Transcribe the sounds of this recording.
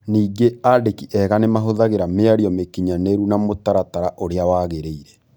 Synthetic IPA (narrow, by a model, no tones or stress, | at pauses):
niːɡeadekiʔɛɣanemaɦoðaɣeɾameaɾiɔmekiɲaneɾunamotaɾataɾaʔoɾeawaːɣeɾeiɾɛ